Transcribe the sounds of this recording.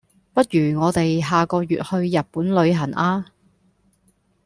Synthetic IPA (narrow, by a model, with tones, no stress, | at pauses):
pɐ˥t̚ɥyː˨˩ŋɔː˨˧t̪e˨jɦaː˨kɔː˧jy̰ː˨t̚hɵ˧ɥjɐ˨t̚puː˨˥nlɵ˨˧ɥɦɐ˨˩nʔaː˧